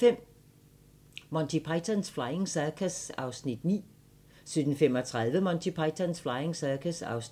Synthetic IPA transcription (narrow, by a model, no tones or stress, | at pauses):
fem̰ | mɒnt͡sʰipʰɑ̈ɪt͡sʰænsflɑ̈ɪe̝ŋsækʰæsɑ̈ʊsnid̥nḭː | syd̥n̩fem̰ɒt͡sʰʁaðˠʋəmɒnt͡sʰipʰɑɪt͡sʰænsflɑ̈ɪeŋsækʰæsɑ̈ʊs